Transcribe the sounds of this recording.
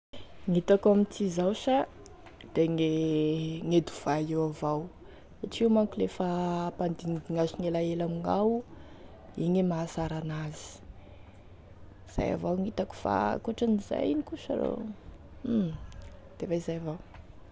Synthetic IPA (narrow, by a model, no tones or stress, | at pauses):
ŋit̪akamit̪izawʃa | d̪̥eŋe | ŋed̪uv̥aewavaw | eʈ͡ʂiwmakulefəpand̪ind̪iŋaziŋelaelamiŋaw | iɲemaːsaɾanazi̥ | z̥a̰ja̰vawŋit̪aku̥fa̰kuʈ͡ʂəniza̰jinikusə̰ɾo̰ | d̪̥evaizajavaw